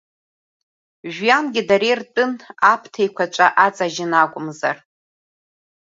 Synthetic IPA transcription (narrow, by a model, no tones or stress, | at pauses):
ʒᶣjanɡʲɪdaɾejrtʼɨnapʰtʰejkʷʰat͡ʃʷʼaʔat͡sʼaʒɪnakʷʼʊmzar